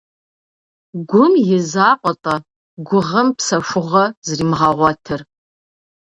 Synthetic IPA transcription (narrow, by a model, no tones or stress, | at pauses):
ɡʷʊmjɪzaːqʷʼɔtʼɐ | ɡʷʊʁəmpʰsɐʃʷʊʁɐzrimʁaʁʷɐtʰɨr